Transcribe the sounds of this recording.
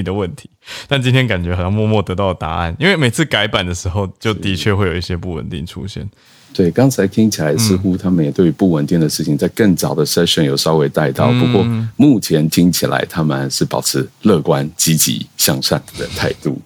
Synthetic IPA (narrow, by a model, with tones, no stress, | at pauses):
d̪ə˩wə˥˨˩nt̪ʰi̥˨˦t̪a˥˩nt͡ɕi˥nt̪ʰjɛ˥nka˨˩nt͡ɕɛ˧˥xjɑ˥˧ŋmwɔ˥˧mwɔ˥˨t̪ɤ˧˦t̪ɑ˥˩ʊd̪ə˩t̪a˧˥a̰˥˩ni˥nwe˥˩ɪme˨˩ɪt͡s̩ʰ˥˩ka˧˥ɪpa˨˩nd̪ə˩ʂɻ̩˧˥xo˥˧ʊt͡ɕjo˥˩ʊtt̪i˨˧˥t͡ɕʰɥɛ˥˧xwe˥˩ɪjo˨˩˧i˥˩ɕjɛ˦˥pu˥˩wə̰˨˩nt̪ḭ˥˩ŋʈ͡ʂʰṵ˥ɕjɛ̰˥˩n | t̪we˥˩ɪkɑ˥ŋt͡sʰa˧˥ɪt̪ʰi˥ŋt͡ɕʰi˨la˨˧˦ɪs̩˥xu˥t̪ʰa˥mə˨njɛ˨˩t̪we˥˩y˧pu˥˩wə˨nt̪i˥˩ŋd̪ə˩ʂɻ̩˥˩t͡ɕʰi˨ŋt͡sa˥˧ɪkə˥˩ŋt͡sɑ˨˩ʊd̪ə˩ʂə˥ʂɛ˨˥˩njo˨˩ʊʂɑ˥ʊwe˧˥ɪt̪a˥˧ɪt̪ɑ˥˩ʊpu˧˦kwɔ˥˧mu˥˩t͡ɕʰjɛ˧˥nt̪ʰi˥ŋt͡ɕʰi˨˩la̰˧˥ɪt̪ʰa˥mə˨nʂɻ̩˥˩pɑ˨˩ʊʈ͡ʂʰɻ̩˧˥lɤ˥˨kwa˦nt͡ɕi˥t͡ɕḭ˧˥ɕjɑ˥˧ŋʂa˥˨˩nd̪ə˨˩t̪ʰa˥˧ɪt̪ṵ˥˩